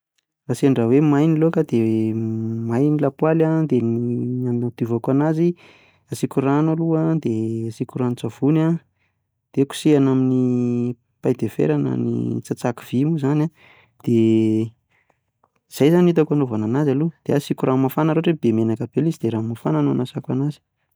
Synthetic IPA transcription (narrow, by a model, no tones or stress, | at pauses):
rasenrawemajnilokad̪e | majnilapwalad̪eniaminad̪uvakanazi | asikʲuranoluad̪easikurant͡sav̥una | d̪̥eku̥sianamini | pajd̪efḛɾanə̰nḭt͡sat͡saki̥v̥imuzana | d̪̥e | z̥ajzanit̪akanovananazalud̪̥easikʲuramafanəɾoaʈ͡ʂeb̥emenakabelizd̪eɾamafananoanasakwanazi̥